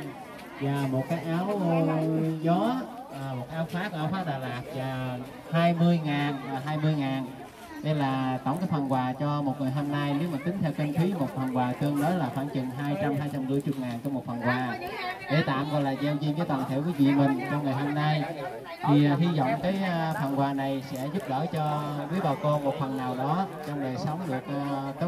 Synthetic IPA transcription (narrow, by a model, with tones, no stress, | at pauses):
zaː˨˩mo˨˩t̚kaː˨˦jʔaː˨˦wzɔː˨˦˨ | mo˨˩t̚kaː˦aː˨˦wfaː˦˥kɔ˧ʔaː˨˦wfaː˦˥ɗaː˨˩laː˨˩t̚zaː˨˩ | haː˧jmɨ˧əjŋaː˨˩nvːɦaː˧jmɨ˧əjŋaː˨˩n | ɗe˧jlaː˨˩t̪ɔ̰˧˩wŋ͡mkaː˨˦jfa˨˩nkwaː˨˩t͡ɕɔ˧mo˨˩t̚ŋɨ˨˩jɦo˧mna˧jne˨˦wmaː˨˩t̪ï˨˦ŋ̟t̪ʰɛ˧wki˧nt̪ʰwi˨˦mo˨˩t̚fə˨˩nkwaː˨˩kəː˧ŋɗə˨˦laː˨˩xwa̰ː˧˥˩nt͡ɕi˨˩ŋɦaː˧jt͡ɕa˧mɦaː˧jt͡ɕa˧mɗɨ̰˧˥əjt͡ɕʊ˨˩k͡p̚ŋaː˨˩nt͡ɕɔ˧mo˨˩t̚fə˨˩nkwaː˨˩ɗe˧˩t̪a̰ː˧˨mɣɔ̰˧˨jlaː˨˩zɛ˧wzi˧ŋvəː˨˦t̪waː˨˩nt̪ʰe˧˩ki˨˦vḭ˧˨mï˨˩ŋ̟t͡ɕɔ˧ŋ͡mŋɨ˨˩jɦo˧mna˧j | t̪ʰi˨˩ɦi˧zɔ̰˧˨wŋ͡mkaː˨˦jfa˨˩nkwaː˨˩na˨˩jsɛ̰˧˥zʊ˦˥p̚ɗəː˧˩t͡ɕɔ˧wi˨˦ɓa˨˩wko˧mo˨˩t̚fə˨˩nːaː˨˩wɗɔ˨˦t͡ɕɔ˧wŋ͡mɗə˨˩jsə˨˦wŋ͡mɗɨ˨˩ək̚ːkːə˨˦